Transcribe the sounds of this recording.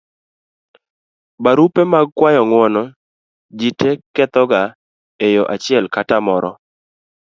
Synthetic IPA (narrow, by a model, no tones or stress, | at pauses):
baɾupemaɡ̚kwajɔŋwɔnɔ | d͡ʒitekɛt̪ɔɡa | ejɔʔat͡ʃɪɛlkatamɔɾɔ